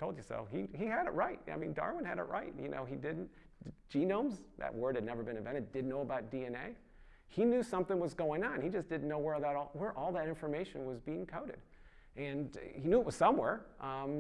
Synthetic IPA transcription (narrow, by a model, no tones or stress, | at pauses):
tʰoʊlˠdjə˞sɛ̰lˠfhiiɨɾɨ̰ʔ̚ɹaɪt̚a̰ɪmḭ̃ndɑ̰ɹwə̃nɨɾɨ̰ʔɹa̰ɪt̚jɨ̰nʔo̰ʊidɪdⁿn̩t | d͡ʒ̥inõʊ̃mzðɨ̰ʔwɜ˞d̚ɨdⁿnɛvə˞bɨ̃ñɨvɛ̃ɾ̃ɨd̥ɨdⁿnoʊəbaʊt̚d̥iɛ̃neɪ | hinjʉsʌ̃mθɪ̃ŋwʌzɡoʊɪ̃ŋə̃nnid͡ʒʌsd̥ɪdⁿn̩noʊwɛɹəbaʊɾɔlˠwə˞ʔɔlˠðɨɾɪ̃ɱfə˞meɪʃɨ̃nwʌzbiɪ̃ŋkʰãʊɾɨ̰d̥ | ʔɨ̃nhinjʉət̚wʌz̥sʌ̃mwɛɹʔʌ̃